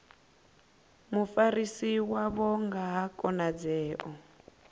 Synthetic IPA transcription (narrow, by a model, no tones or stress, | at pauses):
mufaɾisiwaβɔŋɡaɦakʼɔnad͡zɛːʔɔ